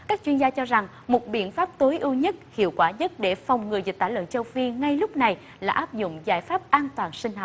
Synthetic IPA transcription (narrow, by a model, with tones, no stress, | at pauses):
kaː˦˥k̚t͡ɕwi˧nzaː˧t͡ɕɔ˧za˨˩ŋ | mo˨˩t̚ɓḭ˧˨ənfaː˦˥p̚t̪o˨˦jʔi˧wɲə˦˥t̚hḭ˧˨əwkwaː˧˩ɲə˦˥t̚ɗe˧˩fa˨˩wŋ͡mŋɨ˨˩əjzi˨˩k̚t̪aː˧˩lə̰˧˨nt͡ɕə˧wfi˧ŋa˧jlʊ˦˥k͡p̚na˨˩j | laː˨˩ʔaː˦˥p̚zʊ̰˧˨ŋ͡mzaː˧˩jfaː˦˥p̚ʔaː˧nt̪waː˨˩nsï˧ŋ̟ɦa˨˩